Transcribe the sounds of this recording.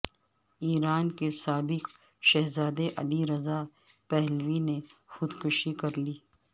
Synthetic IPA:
iːɾaːnkesaːbɪq | ʃɛɦzaːd̪eʔɐliɾɐza | pɛɦlʋinexʊd̪kʊʃikɐɾliː

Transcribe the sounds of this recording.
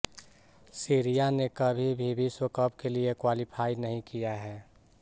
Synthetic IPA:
siɾijanekɐbʱibʱibʱiswəkəpkeliekwaːlipʰaːinəɦĩkijaɦɛː

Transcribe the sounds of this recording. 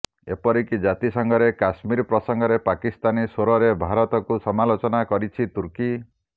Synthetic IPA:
ḛpɔɾikid͡ʒat̪isɔŋɡɔɾekasmiɾɔpɾɔsɔŋɡɔɾepakist̪anisoɾɔɾebʱaɾɔt̪ɔkusɔmalot͡ʃɔnakɔɾit͡ʃʰit̪uɾki

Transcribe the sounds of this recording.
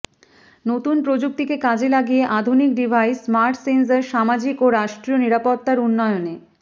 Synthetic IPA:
not̪unpɾod͡ʑuk̚t̪ikekad͡ʑelaɡijeʔad̪ʱunik̚ɖibʱajsmaɾʈsenseɾʃamad͡ʑikoɾaʃʈɾioniɾapot̪ːaɾunːɔeone

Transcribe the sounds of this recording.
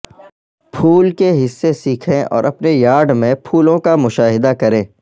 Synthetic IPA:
pʰuːlkeɦɪsːesiːkʰẽʔɔ̰ːɾʔɐpnejaːɾɖmẽpʰuːlõkamʊʃaːɦɪd̪akɐɾẽː

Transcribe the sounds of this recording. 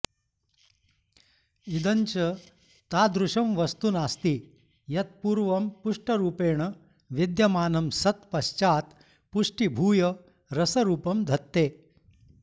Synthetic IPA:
id̪ɐnt͡ʃɐ | t̪aːd̪ɾuʂɐmʋɐst̪unaːst̪i | jɐt̪̚puːɾʋɐmpuʂʈɐɾuːpeːɳ̃ɐ | ʋid̪jɐmaːnɐmsɐt̪pɐɕt͡ʃaːt̪ | puʂʈibʱuːjɐ | ɾɐsɐɾuːpɐmd̪ʱɐt̪ːeː

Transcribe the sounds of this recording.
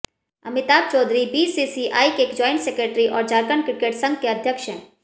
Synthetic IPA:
ɐmɪt̪aːb̚t͡ʃɔːd̪ɾibisisiʔaːikeːkd͡ʒɔːɪ̃ɳʈseːkɾeːʈɾiʔɔːɾd͡ʒaːɾkəɳkɾɪkeːʈsə̃ŋɡ̚keɐd̪ʱjəkʃɦɛ̰̃

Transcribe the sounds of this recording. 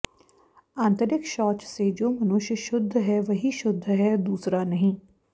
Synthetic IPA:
ãːnt̪əɾɪkʃɔːt͡ʃsed͡ʒoːmɐnʊʃjʃʊd̪ʱːɦɛʋɐɦiʃʊd̪ʱːɦɛːd̪uːsɾanɐɦĩː

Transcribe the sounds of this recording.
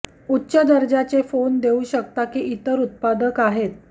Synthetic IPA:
utːɕəd̪əɾd͡ʑat͡sefond̪euɕək̚t̪akiʔit̪əɾut̪̚pad̪əkaɦet̪̚

